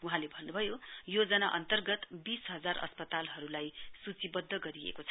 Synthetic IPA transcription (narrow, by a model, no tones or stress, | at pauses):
uɦãlebʱʌnːubʱʌjojod͡zʌnaʔʌnt̪ʌrɡʌt̪bisɦʌd͡zarʔʌ̰spʌt̪alɦʌɾulajsut͡sibʌd̪ʱːʌɡʌɾiḛkot͡sʰʌ̥